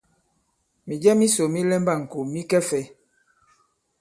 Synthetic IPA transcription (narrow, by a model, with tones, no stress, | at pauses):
mi˨d͡ʒɛ˦mi˦so˨mi˦lɛ˦mba˦˨ŋ̩˨ko˨mi˦kɛ˦fɛ˨˦